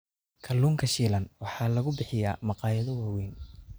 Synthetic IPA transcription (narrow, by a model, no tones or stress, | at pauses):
kʰɐlːuːŋkʰɐʃiːlɐnwɑħɑːlɐɣʊbɪħɪjaːmɑqɑːjɐðɐwɑːwɛːn